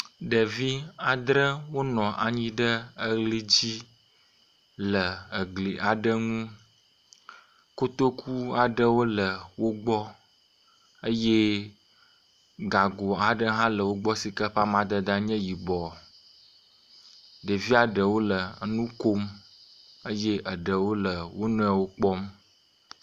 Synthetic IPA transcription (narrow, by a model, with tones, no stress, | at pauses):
ɖə˨vi˦a˨d̪ɾə˦wo˦nɔ̃˨ʔa˨ɲĩ˦ɖə˦ə˦ɣli˦d͡ʑi˦ | lə˨ə˨ɡli˨ʔa˨ɖə˦ŋũ˦ | ko˦t̪o˦kʰu˦a˨ɖə˦wo˦lə˨wo˦ɡ͡bɔ˦ | ə˦je˦ | ɡa˨ɡo˨a˨ɖə˦ɦã˦lə˨wo˦ɡ͡bɔ˦si˨kə˦ɸa˦mã˦d̪ə˦d̪a˦ɲɛ̃˦ji˨bɔ˨ | ɖe˨vi˦a˨ɖə˨wo˦lə˨nũ˦ko˦m | ə˦je˦ʔə˨ɖə˨wo˦lə˨wo˦nũ˦ɛ˨wo˦k͡pɔ˦m